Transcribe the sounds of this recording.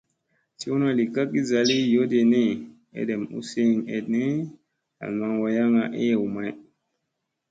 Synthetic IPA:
ti˦u˦na˦li˨ka˦ki˦za˨li˦jo˦de˨ne˦˨ | ḛ˨de˨mṵ˦se˦˨ŋḛ˨dne˦ | a̰˨ma˨ŋwa˨ja˦ŋa˨ʔe˦jwu˨ma˦j

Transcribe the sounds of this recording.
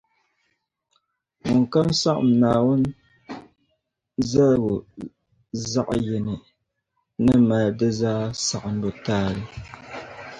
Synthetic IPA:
mu˨ŋ˨ka˦msa˦ʔmnaː˨wo˦n | za˦lwo˨ | za˦ʔjɛ˨nɨ˨ | nɨ˦ma˨dɨ˦zaː˦sa˨ʔɨ˨m˦bo˦taː˦lɨ˦

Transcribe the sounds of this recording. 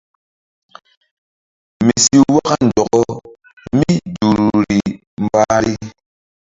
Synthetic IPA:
mi˨si˦wa˦ɣa˦n̩˨dɔ˨kɔ˦ | mi˦d͡ʒu˨ɾɾi˨ | m̩˨ba˦ɾi˦

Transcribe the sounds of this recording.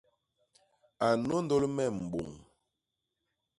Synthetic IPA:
a˨no˦n˦do˦lmɛ˦˨m̩˨ɓo̰˨ŋ

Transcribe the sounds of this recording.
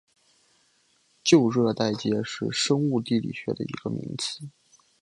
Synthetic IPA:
t͡ɕjo˥˧ʊɻɤ˥˧t̪a˥˩ɪt͡ɕjɛ˥ʂɻ̩˥˩ʂɤ˥ŋu˥˧t̪i˥˩lḭ˨˩ɕɥɛ̰˧˥d̪ə̰˨i˧˥ɡ̥ə˧mḭ˧˥ŋt͡sʰɹ̩˥˩˦

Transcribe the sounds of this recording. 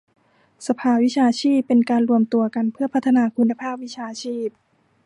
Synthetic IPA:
sa˧pʰaː˧wi˦˥t͡ɕʰaː˧t͡ɕʰiː˥˩pːe˧nkaː˧nɾu˧əmt̪u˧ɐka˧npʰɯ˥˩ɐpʰa˦˥t̪ʰːa˧naː˧kʰu˧nːa˧pʰaː˥˩p̚wi˦˥t͡ɕʰaː˧t͡ɕʰiː˥˩p̚

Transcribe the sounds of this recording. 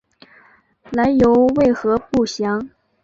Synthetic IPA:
la˧˥ɪjo˧˥ʊwe˥˩ɪxɤ˧˥pu˥˩ɕjɑ˧˥ŋ

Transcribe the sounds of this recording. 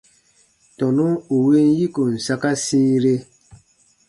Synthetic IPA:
tɔ˨nu˦u˨we˦n˦ji˦ko˨n̩˨sa˦ka˦siː˦ɾe˦

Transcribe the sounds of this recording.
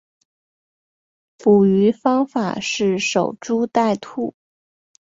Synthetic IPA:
pu˨˩y˧˥fɑ˥ŋfa̰˨˩ʂɻ̩˥˩ʂo˨˩ʊʈ͡ʂu˥t̪a˥˧ɪt̪ʰu˥˩

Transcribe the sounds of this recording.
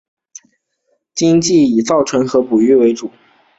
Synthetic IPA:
t͡ɕi˥ŋt͡ɕi˥˩i˨˩t͡sɑ˥˩ʊʈ͡ʂʰɤ˧˥ŋxɤ˧˥pu˨˩y˥˩we˧˥ɪʈ͡ʂu˨˩˦

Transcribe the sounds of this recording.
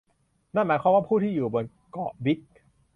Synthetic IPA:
na˥˩nmaː˨˦kwaː˧mwaː˥˩pʰuː˥˩t̪ʰiː˥˩juː˨˩bo˧n | kɔ˨˩ʔwi˦˥k̚

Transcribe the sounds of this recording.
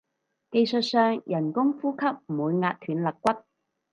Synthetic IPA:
ke˧jsɵ˨t̚sœː˨ŋjɐ˨˩nkʊ˥ŋfuː˥kʰɐ˥p̚m̩˨˩wuː˨˧jŋaː˧t̚t̪ʰyː˨˧nlɐ˨kkːʷɐ˥t̚

